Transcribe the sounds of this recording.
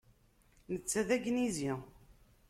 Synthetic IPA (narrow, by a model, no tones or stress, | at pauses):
nət͡sːæðæɡnizi